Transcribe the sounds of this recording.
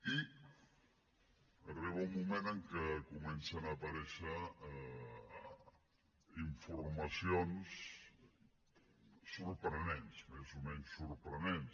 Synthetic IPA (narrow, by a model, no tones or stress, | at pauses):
i | əriβumumẽnəŋkəkumɛnsənaːpɐɾɛʃə | iɱfuɾmɐsions | uɾpɾənɛnsmɛzumɛɲsːuɾpɾənens